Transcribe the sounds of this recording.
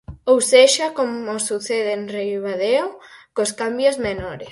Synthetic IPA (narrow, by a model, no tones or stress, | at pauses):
owseʃakomosuθeðenrejβaðeokoskambjozmenɔɾes